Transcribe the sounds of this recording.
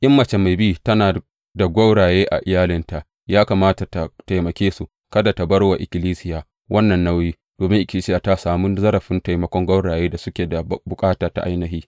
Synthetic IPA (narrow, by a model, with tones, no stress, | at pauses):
ʔɪ˦mːɐ˨t͡ʃe˨ma˨jbi˦˨tɐ˦naː˨ | da˨ɡʷa˦wɽaː˨jeː˦ʔa̰˨ʔɪ˨jaː˦lɪ˦nta˨ʔ | jaː˦kaː˨maː˦ta˨ta˨ta˨jmɐ˨kʲeː˦su˦ | kɐ˦da˨ta˨bɐ˦ɽwa˨ʔɪ˨kʲɪ˨liː˦sɪ˦jaː˨ | wʔɐ˦nːɐ˨nːa˦wjiː˦ | d̥oː˨mɪ˦ŋʔɪ˨kʲɪ˨li˦sɪ˦jaː˨ta˦saː˨mu˦zɐ˦ɾɐ˨ɸɪ˦nta˨jmɐ˦kʷɔ˦ŋɡʷɐ˦wɽaː˨jeː˦da˨sʊ˦kʲeː˨da˨bʊ˨kʼaː˦taː˨ta̰˦ʔa̰˦jnɐ˨ɦiː˦